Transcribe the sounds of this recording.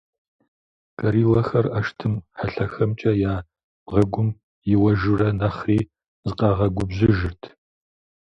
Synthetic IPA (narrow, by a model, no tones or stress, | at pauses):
kʼɐɾiːlɐxɐrɐʃtʰɨmħaɬɐxɐmt͡ʃʼɐjaː | ʁɐɡʷʊm | jɪwɐʒɪrɐnɐχriː | zɨqɑʁɐɡʷʊbzɨʒɪrtʰ